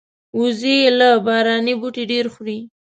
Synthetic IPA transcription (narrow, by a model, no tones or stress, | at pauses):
uzejelabɑɾɑnibuʈiɖeɾxɾi